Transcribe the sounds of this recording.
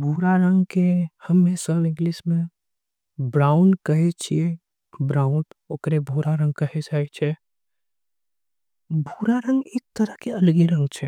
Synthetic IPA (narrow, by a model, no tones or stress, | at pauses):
bʱuɾaɾə̃ŋɡkehəmːẽsəbɪ̃ŋɡlismẽ | bɾaːʊnkɐɦet͡ʃʰie | bɾaːʊ̃noːkɾebʱuɾaɾə̃ŋɡ̚kəɦed͡ʒaːet͡ʃʰe | bʱuːɾaɾə̃ŋɡeːk̚t̪əɾəɦkeɐlɡiɾə̃ŋɡt͡ʃʰɛ